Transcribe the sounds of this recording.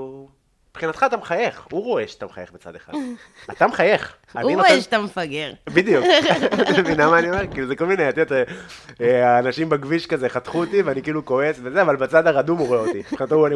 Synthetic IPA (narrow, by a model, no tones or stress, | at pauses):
pχinat̪χaːt̪amχaje̞χuʁo̞e̞ʃat̪amχa̰je̞χbet͡sa̰d̪eχa̰d̪ | at̪amχaje̞χ | aninaʃt̪amefaɡeʁbid̪ijuk | minamaːnio̞me̞ʁkiːluzeko̞lmineat̪iot̪eeaːnaʃimbaɡviʃkazeχat̪χuot̪iveanikiːluko̞e̞svezeavalbat͡sad̪aʁad̪umoʁoeot̪iχinat̪ouani